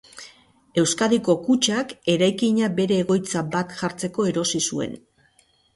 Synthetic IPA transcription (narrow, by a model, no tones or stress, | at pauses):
e̞wskaðiko̞kut͡ʃake̞ɾajkiɲabe̞ɾe̞ːɣo̞jt͡sabat̪ʝaɾt͡se̞ko̞e̞ɾo̞sisue̞̰n